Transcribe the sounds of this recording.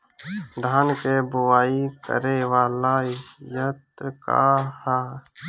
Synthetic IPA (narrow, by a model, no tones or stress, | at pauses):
d̪ʱaːnkebʊwaːikə̰ɾeːwaːlaːjət̪ɾəka̰ːhaː